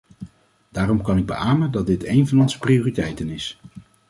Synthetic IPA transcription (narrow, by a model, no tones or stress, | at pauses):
daːrɔmkɑnɪɡ̚bə̰ʔaːməndɑd̚dɪtejnvɑnɔnzə̥priʊːritɛjtənɪs